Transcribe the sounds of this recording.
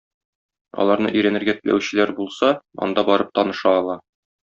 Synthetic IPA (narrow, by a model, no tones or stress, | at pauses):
ɒ̰lˠɑɾnɤ̰ʔɵ̆jɾænɘ̆ɾɡæt̪ɘ̆læ̰wɕɘ̆læɾbulˠsɑɒ̰nd̪ɑbɒɾɤp̚t̪ɒnɤ̆ʃɑːlˠɑ